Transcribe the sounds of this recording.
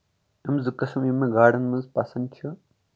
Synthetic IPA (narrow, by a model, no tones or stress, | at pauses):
ɐmzɨkɐsɐmimeɡaːɽɐnmɐzpasɐnt͡ʃʰɐ